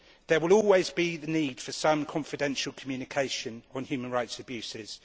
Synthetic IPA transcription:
ðəwɪlɔːlˠwɪzbiðəniːd̥fəsʌ̃mkʰɒ̃ɱfɪdɛ̃nʃəlˠkʰəmjʉːnɪkʰeɪʃə̃nə̃nhjʉːmə̃nɹaɪtsəbjʉˑsɪz̥

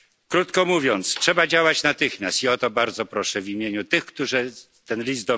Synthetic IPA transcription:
kɾut̪kɔmuvʲjɔnt̪stʂɛbad͡ʑawat͡ɕnat̪ɘxmʲjast̪iɔt̪ɔbaɾd̪zɔpɾɔʂɛvʲimʲjeɲut̪ɘxkt̪uʐɘ | t̪ɛnlʲizd̪d̪ɔ

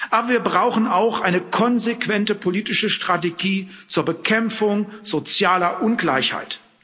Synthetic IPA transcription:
ʔaːbɐviːɐbʁaʊxn̩aʊxʔaɪnəkʰɔnzekv̥ɛntəpʰoliːtɪʃəʃtʁ̥ateɡiː | t͡suːɐbəkʰɛmfʊŋz̥ot͡sjaːlɐʔʊnɡla̰ɪçha̰ɪt

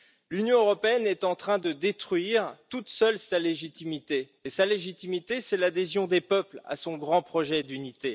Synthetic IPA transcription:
lynjɔ̃øʁɔpeɛnɛt̪ɑ̃t̪χɛ̃d̪əd̪et̪χɥiʁt̪ut̪sœlsaleʒit̪imit̪eː | saleʒit̪imit̪esɛlad̪ezjɔ̃d̪epœpla̰sɔ̃ɡʁɑ̃pχɔʒɛd̪ynit̪e

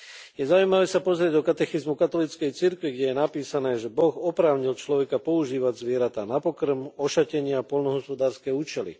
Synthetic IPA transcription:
jɛzaujmaʋɛːsapɔzɾɪɛɟɔkat̪ɛxizmukat̪ɔlit͡skɛjt͡siɾkʋiɡɟɛjɛnapiːsanɛːʒɛbɔɣɔpɾaːʊɲilt͡ʃlɔʋɛkapɔuʒiːʋaɟzʋɪɛɾat̪aːnapɔkr̩mɔʃacɛɲɪapɔlnɔɦɔspɔd̪aːɾskɛːuːt͡ʃɛlḭ

